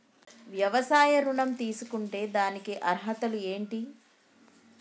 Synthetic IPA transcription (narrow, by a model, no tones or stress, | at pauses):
ʋjɐʋɐsaːjɐɾuɳɐmt̪iːsukuɳʈe̞ːd̪aːnikiʔɐɾɦɐt̪ɐlue̞ːɳʈi